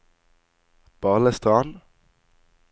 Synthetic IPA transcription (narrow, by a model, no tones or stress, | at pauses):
b̥ɑʁləst̪ʁɑːn